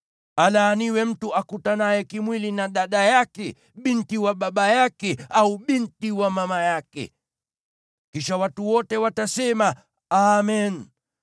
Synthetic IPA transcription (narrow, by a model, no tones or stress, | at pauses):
alaːniwɛm̩tuʔakutanajɛkimwilinaɗaɗajakɛ | ɓintiwaɓaɓajakɛauɓintiwamamajakɛ̰ | kiʃawatuwɔtɛwatasɛma | amɛn